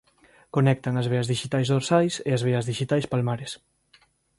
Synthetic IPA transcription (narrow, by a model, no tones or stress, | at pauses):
konɛk̚t̪aŋazβeɐzðiʃit̪ajzðoɾsajseazβ̞eɐzðiʃit̪ajspalmaɾes